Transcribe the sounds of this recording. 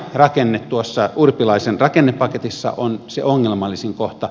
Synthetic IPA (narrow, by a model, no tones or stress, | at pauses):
rɑkenːet̪t̪uosːɑʔurpilɑˑisenrɑkenːeppɑket̪isːɑ̰ʔonseoŋːelmɑlːiseŋkoht̪ɑ